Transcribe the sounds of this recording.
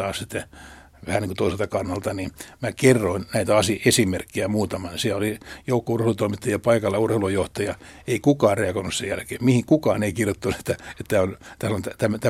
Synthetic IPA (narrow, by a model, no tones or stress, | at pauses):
ɑːssit̪ːe | ʋæhæniŋkot̪oiselt̪ɑkɑnːɑlt̪ɑnimækerːoinnæit̪æɑsiesimerkːiæmuːt̪ɑmɑnsiæolijoukːourheːlut̪oimit̪ːɑjɑpɑikɑlːɑurheilujoht̪ɑjɑeikukɑːrreɑkoinussejælkeːmihiŋkukɑːneikirjot̪ːɑnuse̥t̪ːæet̪t̪ːæːont̪æsɑnont̪æt̪æmt̪æ